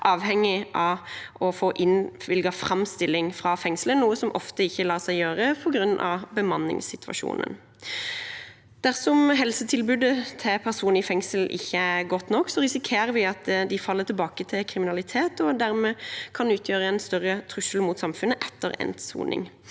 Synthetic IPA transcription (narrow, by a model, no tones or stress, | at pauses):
ʔɑːʋhɛŋːɪʔɑʔɔfoːʔɪnʋɪlɡɑfɾɑmst̪ɪlːɪŋfʁɑfɛŋslənuːəsɔmʔɔ̰ft̪əɪçːəlɑːsæɪjøːʁəpʰɔɡɾʉnːʔɑ̰ʋbəmɑnːɪ̰ŋsɪt̪ʰʋɑ̰ʃṵːnə̰n | d̪̥æʁsɔmɦɛlsət̪ʰɪlbʉd̪ət̪ʰɛpʰæʁsuːnɪfɛŋsəlʔɪ̰çːəæɡɔt̪ːnɔkːsɔʁɪsɪkʰeːɾəʋɪɑt̪d̪ɪfɑlːət̪ʰɪlbɑːkət̪ʰɪlkʰɾɪmɪnɑlɪt̪ʰeːt̪ɔd̪æʁmɛkʰɑnʉːt̪ʰjøːʁəɛnst̪œʁːət̪ʰʁʉsəlmʊt̪sɑmfʉnːəʔɛt̪ːə̰ʁɛ̰nt̪sṵːnɪ̰ŋ